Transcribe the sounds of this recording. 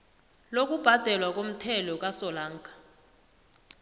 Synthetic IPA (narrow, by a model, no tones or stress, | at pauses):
lok̬ub̥ʱad̥ʱɛlwak̬om̩tʰɛlɔk̬ʼasɔlaːŋkʰʼḁ